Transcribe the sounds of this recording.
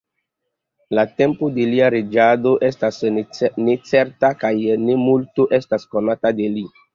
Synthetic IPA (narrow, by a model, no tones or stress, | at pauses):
latempodeliaɾed͡ʒado̞ʔestasnet͡seɾtakajnemultoʔestaskonatadeli